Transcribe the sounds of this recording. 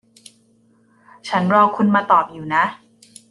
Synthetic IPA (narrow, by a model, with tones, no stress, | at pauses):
t͡ɕʰa˦˥nɾɔː˧kʰu˧nmaː˧t̪ɔː˨˩p̚juː˨˩na˦˥ʔ